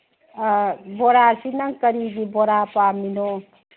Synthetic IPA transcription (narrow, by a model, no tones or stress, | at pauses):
bɔɾasinaŋkəɾidibɔɾapaminɔ